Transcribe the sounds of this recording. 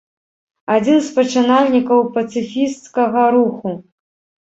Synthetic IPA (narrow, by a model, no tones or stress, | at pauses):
ad͡zʲinspɐt͡ʂɨnalʲnʲikɐwpɐt̪sɨfʲist̪skɐɣɐɾuxu